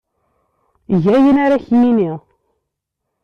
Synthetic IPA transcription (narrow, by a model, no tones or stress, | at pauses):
ʝæjənaɾaçiminiʁ